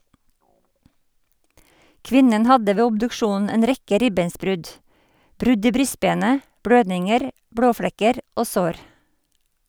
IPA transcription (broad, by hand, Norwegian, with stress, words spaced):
ˈkʋɪnən ˈhɑdə ˈʋeː ʊbdʉkˈʃuːnn̩ ˈeːn ˈɾɛkə ˈɾɪbeːnsˌbɾʉd ˈbɾʉd ˈiː ˈbɾʏˌsbeːnə ˈbɽøːdnɪŋəɾ ˈbɽoːˌfɽɛkəɾ ˈoː ˈsoːɾ